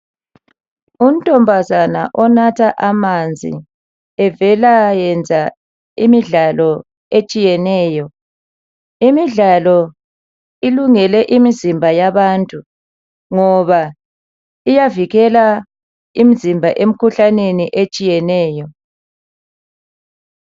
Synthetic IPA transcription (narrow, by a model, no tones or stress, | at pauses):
um̩tʼɔmbʱazana̰ʔɔnatʰaʔamand͡zʱḭ | ɛvɛlajɛnd͡zʱa | imiɮalɔ | et͡ʃʼijɛnɛːjɔ | imiɮalɔ | iluŋɛlɛʔimizimbʱajaβaːntʼu | ŋɔβa | ijaviɣɛla | imizimbʱaʔem̩kʰuɬaneniʔet͡ʃʼijɛnɛːjɔ